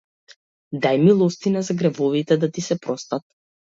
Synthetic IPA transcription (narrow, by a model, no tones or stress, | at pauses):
d̪ajmilˠɔst̪inazaɡɾɛvɔvit̪ɛd̪at̪isɛpɾɔst̪at̪̚